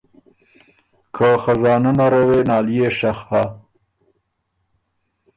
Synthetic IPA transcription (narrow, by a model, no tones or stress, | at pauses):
kʰaxazɑːnanaɾawenɑːlijeʃaxha